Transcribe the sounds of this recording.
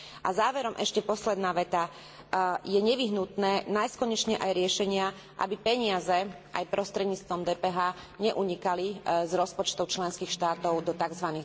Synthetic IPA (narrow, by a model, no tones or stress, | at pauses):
ʔa̰zaːʋɛɾɔmʔɛʃcɛpɔslɛd̪naːʋɛt̪a | jɛɲɛʋiɦnut̪nɛːnajst̪kɔɲɛt͡ʃɲɛʔajɾɪɛʃɛɲɪa | ʔa̰bipɛɲɪazɛ | ʔa̰jpɾʔɔst̪ɾɛd̪ɲiːt͡st̪ʋɔmd̪ɛːpɛɦaː | ɲɛʔuɲikalizɾɔspɔt͡ʃt̪ɔʊt͡ʃlɛnskiːxʃt̪aːt̪ɔʊd̪ɔt̪aɡzʋani